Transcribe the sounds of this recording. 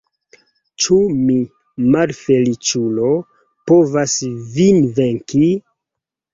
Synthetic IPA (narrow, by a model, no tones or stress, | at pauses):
t͡ʃumi | malfelit͡ʃulo̞ | povasvinveŋki